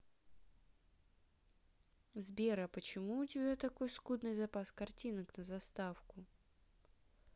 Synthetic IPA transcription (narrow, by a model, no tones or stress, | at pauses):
zbʲeɾəpət͡ɕɪmuʊtʲɪbʲat̪ɐko̞jskud̪nɨjzɐpaskɐrtʲinəknəzɐst̪afkʊ